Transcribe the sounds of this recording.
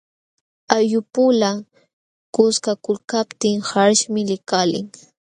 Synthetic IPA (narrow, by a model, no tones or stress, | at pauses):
ajʊpʊla | kʊskakʊlkapt̪ɪŋhaɾʃmɪlɪkalɪ̰ŋ